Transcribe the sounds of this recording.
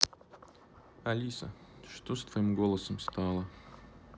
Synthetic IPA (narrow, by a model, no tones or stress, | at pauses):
ɐlʲisəʂt̪ost̪vɐimɡolˠəsəmst̪ɑlˠə